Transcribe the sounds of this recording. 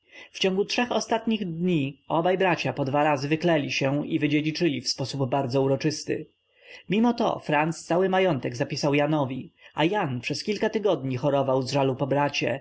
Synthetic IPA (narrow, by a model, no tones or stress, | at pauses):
ft͡ɕɔ̃ŋɡutʂɛxɔst̪at̪ɲiɣd̪ɲiɔbajbɾat͡ɕapɔd̪vaɾazɘvɘklɛlʲiɕɛivɘd͡ʑed͡ʑit͡ʂɘlʲifspɔsubːaɾd̪zɔuɾɔt͡ʂɘst̪ɘ̰ | mʲimɔt̪ɔ̰fɾanst̪sawɘmajɔnt̪ɛɡzapʲisawjanɔvʲiajanpʂɛskʲilkat̪ɘɡɔd̪ɲixɔɾɔvawzʐalupɔbɾat͡ɕɛ̰